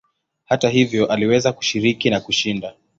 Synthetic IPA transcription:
hataɦivjɔʔaliwɛzaku̥ʃiɾikinakuʃinda

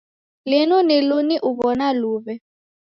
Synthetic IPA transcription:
lɪnuniluniʔuβɔnaluːβɛ

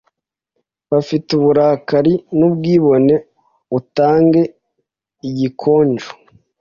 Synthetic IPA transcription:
βafituβuɾaːkaɾinubɡiːβo̞ne̞ | utaːŋɡe̞ | iɟikʰo̞ːɲd͡ʒu̥

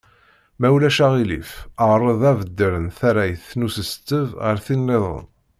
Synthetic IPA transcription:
mæwlæʃæʁilḭfəʁɾˤəðˤævəd̪ːəɾənθæɾæjəθnusəst̪ːəvʁəɾθinːeðˤʁə̰n

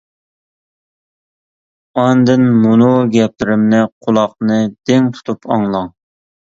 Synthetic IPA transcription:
ɑnd̪ɨnmunuɡʲɛp̚lɪɾɪmnɪqʰʊlˠɑq̚nɨd̪̥ɪŋt̪ʰu̥t̪ʰupʰɑ̰ŋlˠɑŋ

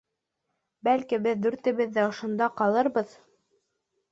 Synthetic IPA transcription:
bælkibɘðːʉɾt̪ɘ̆βɘ̆ðːɘŏʃŏnd̪ɑqɑlˠɤɾbɤð

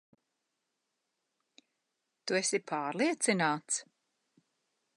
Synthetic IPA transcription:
t̪uɛsipʰaːɾlˠiɛt̪sinaːt̪s

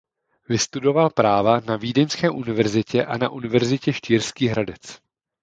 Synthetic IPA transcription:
vɪst̪udo̞valpɾaːvanaviːdɛɲskɛːʔunɪvɛɾzɪcɛʔanaʔunɪvɛɾzɪcɛʃciːɾskiːɦɾadɛt͡s

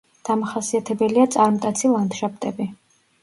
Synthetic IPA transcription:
d̪̥amaχasiat̪ʰɛbɛliat̪sʼaɾmt̪ʼat̪sʰilˠant̪ʃap̚t̪ʼɛbi

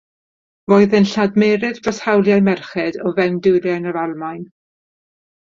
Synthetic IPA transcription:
voːɨðənɬadmeːɾɪðb̥rəshawlˠjajmɛrχɛdɔvɛmdʊwɾjanəvalˠmajn

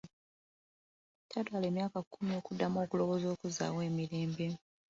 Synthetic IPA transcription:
tʰatwale̞ːmjaːkakʰːumio̞ːkudːamo̞ːkulo̞βo̞ːzo̞ːkuza̰ːwe̞ːmiɾeːmbe̞

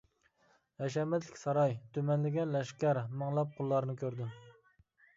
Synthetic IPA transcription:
jɛʃ̬ɛmɛt̪lɪkʲsɑɾɑjt̪ʰymɛnlɪɡʲɛnlɛʃkʲæɾmɨŋlˠɑp̚qʰʊlˠːɑɾnɨkʲʰøɾd̪ɪ

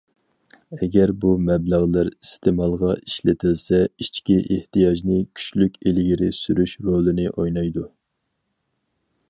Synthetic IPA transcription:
ɛɡʲɛɾbumɛblæʁlˠɪɾist̪ʰɪmɑlˠʁɑiʃlɪt̪ʰɪlsɛit͡ʃkʲiʔeht̪ijɑʒnɪkʲʰy̥t͡ʃlykʲelɪɡʲiɾɪsyɾyʃɾolˠɨnɪʔojnɑjd̪u

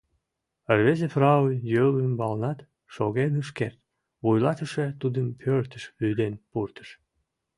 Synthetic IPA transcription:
ərβezefrɑujjøləmbɑlˠnɑt̪ | ʃoɣenəʃ̬kert̪̚ | βujlɑt̪əʃet̪ud̪əmpʰørt̪əʃlyd̪enpurt̪ə̥ʃ

